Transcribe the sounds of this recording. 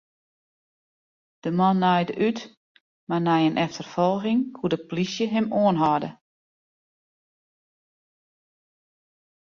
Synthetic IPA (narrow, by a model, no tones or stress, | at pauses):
d̥əmɔnːajdəʔyt | marnɛjənʔɛftərfɔlˠɣɪŋkʰudəplisjəɦɪmoənɦɔdə